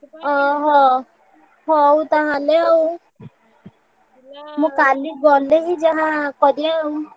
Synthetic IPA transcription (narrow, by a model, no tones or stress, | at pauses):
ɔɦɔ | ɦɔut̪aɦaleɔu | mũkaliɡɔleɦid͡ʒaɦãkɔdiaũ